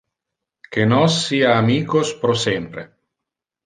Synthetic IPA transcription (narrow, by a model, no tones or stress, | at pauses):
kenɔsːiːaːmiːkospɾosempɾḛ